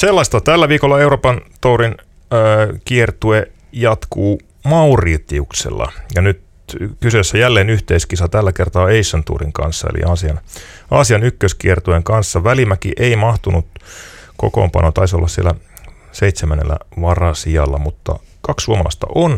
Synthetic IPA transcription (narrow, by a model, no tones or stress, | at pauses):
selːɑst̪ɑt̪ælːæʋiːkolːɑe̞uroːpɑnt̪oːɾinː | kiert̪ue | jɑt̪kuː | mɑuriːt̪ːiuksḛlːɑ̰jɑnyt̪ | kysøsːæjælːeːnyht̪eiskisɑt̪ælːækert̪ɑːeisːont̪ṵːriŋkɑ̰nsːɑḛlḭʔɑːsiɑn | ɑːsiɑnykːøskiert̪ueŋkɑnsːɑʋælimækiʔeimɑht̪unut̪ko̰ko̰ːmpɑ̰not̪ɑisolːɑssiḛlːæ | seit̪semænḛlːæ̰ʋɑrɑsiɑlːɑmut̪ːɑ̰ | kɑkssuomɑlɑ̰st̪ɑ̰ʔon